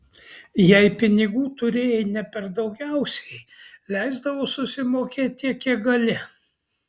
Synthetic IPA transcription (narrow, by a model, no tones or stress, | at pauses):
jɛɪpʲɪnʲɪɡuːt̪ʊɾʲeːjɛɪnʲɛpʲɛɾd̪ɒʊɡʲɛʊsʲɛɪlʲɛɪzd̪ɐʋoːsʊsʲɪmoːkʲeːt̪̚ʲtʲːiɛkʲiɛɡɐlʲɪ